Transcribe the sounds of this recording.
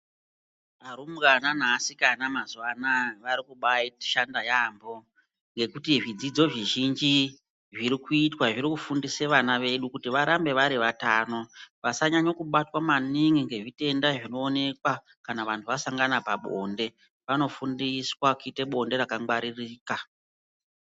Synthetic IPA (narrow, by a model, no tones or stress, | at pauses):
aɾumɡanan̤asikanamazuwanaʋaɾikuɓaiti̥ʃandajaːmbo̞ | ŋɡe̞kutiʐid͡zid͡zo̞ʐiʒind͡ʒi | ʐiɾikuitwaʐiɾikufundiseʋanaʋe̞ɗukutiʋaɾambe̞ʋaɾiʋataːno̞ʋasaɲaɲokuɓatwamaniŋɡiŋɡe̞ʐite̞ndaʐino̞ːne̞kwa | kanaʋantʰuʋasaŋɡanapaɓo̞̰ːnde̞ | ʋano̞fundiswakuite̞ɓo̞nde̞ɾakaŋwaɾiriːka